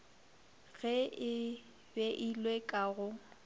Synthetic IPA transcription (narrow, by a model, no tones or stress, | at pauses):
ɣɛɪ | bɛʔilwekʼaɣʊ